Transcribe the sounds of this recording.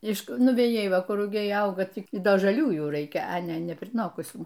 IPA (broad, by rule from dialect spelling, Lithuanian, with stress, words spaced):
ɪʃ nʊʋʲɛˈjɛɪ ˈʋɐ ˈkʊr rʊˈɡʲɛɪ ˈɐʊɡɐ ˈtʲiː ɪ ˈdɐ ʒɐˈlʲuː juː ˈrɐɪkʲɛ ɐ ˈnʲɛ nʲɛpʲrʲɪˈnoːkʊsʲuː